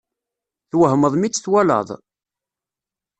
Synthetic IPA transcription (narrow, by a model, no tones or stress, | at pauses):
θwəɦməðˤmit͡sːθwælə̰ðˤ